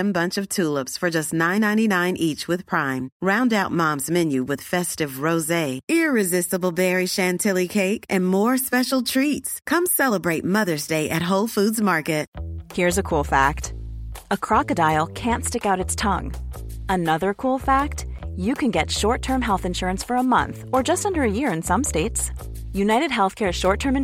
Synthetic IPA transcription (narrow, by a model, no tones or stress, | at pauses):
ɨ̃mbʌ̃nt͡ʃʌv̥tʰulˠəpsfə˞d͡ʒʌstⁿnãɪ̃nãɪ̃ninãɪ̃nʔit͡ʃwɨð̥pʰɹ̥ãɪ̃mɹãʊ̃ndaʊt̚mɑ̃mzmɛ̃njʉwɨð̥fɛstɨvɹoʊzeɪɪɹɨzɪstəbl̩ˠbɛɹiʃæ̃ntʰɪlˠikʰeɪkʔɨ̃nmɔɹspɛʃl̩ˠtʰɹ̥itskʰʌ̃msɛlˠəbɹeɪt̚mʌðə˞zdeɪʔɨt̚ɦoʊlˠfʉdzmɑɹkɨt̚hiɹɨzɨkʰulˠfæk̚təkʰɹ̥ɑkɨdaɪl̩ˠkʰæ̃ntstɪkaʊɾɨtstʰʌ̰̃ŋənʌðə˞kʰulˠfæk̚tjɨkʰɨ̃nɡɛtʃɔɹtʰɜ̃˞mɦɛlˠθɨ̃nʃʊɹɨ̃nsfə˞əmʌ̰̃nθə˞d͡ʒʌstʌ̃ndə˞ɨjɪɹɨ̃nsʌ̃msteɪts | jʉnaɪɾɨd̚ɦɛlˠθkʰɛɹʃɔɹtʰɜ̃˞m̃